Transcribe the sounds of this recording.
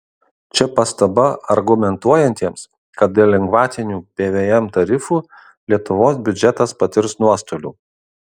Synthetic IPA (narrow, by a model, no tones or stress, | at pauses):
t͡ʃʲɛpɐst̪ɐbɐɐɾɡʊmʲɛnt̪uɔjɛnʲt̪ʲiɛms | kɐt̪̚d̪ʲelʲɛŋɡʋɑːt̪ʲɪnʲuːpʲeːʋʲeːɛmt̪ɐɾʲɪfuː | lʲiɛt̪ʊʋoːsbʲʊd͡ʒʲɛt̪ɐspɐt̪ʲɪɾsnuɔst̪oːlʲṵː